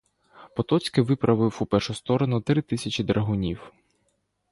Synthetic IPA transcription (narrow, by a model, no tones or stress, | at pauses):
pɔt̪ɔt͡sʲkɪʋɪpɾʔɐʋɪwupɛrʃʊst̪ɔɾɔnʊt̪ɾɪt̪ɪsʲɐt͡ʃɪd̪ɾɐɦʊnʲiw